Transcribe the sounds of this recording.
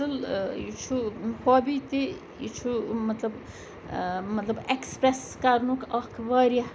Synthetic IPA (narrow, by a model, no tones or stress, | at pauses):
ɨljit͡ʃʰuhoːbit̪i | jḭt͡ʃʰumɐt̪lɐb | mɐt̪lɐbekspɾes | kaɾnukɐkʰʋɐːɾjɐ